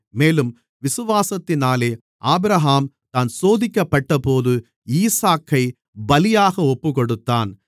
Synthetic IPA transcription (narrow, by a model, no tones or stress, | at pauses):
meːlɯm | ʋɪsɯʋaːsɐt̪ːɪnaːleː | ʔaːbɾɐɦaːm | t̪aːnsoːðɪkːɐpːɐʈːɐpoːðɯ | iːsaːkːɐɪ | bɐlɪjaːɣɐɔpːɯkɔɽɯt̪ːaːn